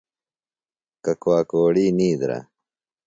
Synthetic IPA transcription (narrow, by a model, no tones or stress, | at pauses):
kɐkowaːkoːɽiːniːd̪ɾa̰